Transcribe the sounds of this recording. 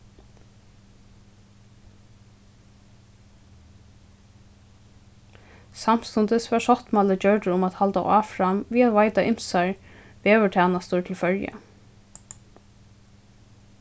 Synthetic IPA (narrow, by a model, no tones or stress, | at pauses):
sam̥st̪ʊnt̪əsʋaʂɔt̪maːləd͡ʒœɹʈəʊmat̪halt̪aʔaːfɾamʋiːat̪ʋajt̪aʔɪm̥saɹ | ʋeːʋəʈʰɛːnast̪ʊt̪ʰɪlfœɹja̰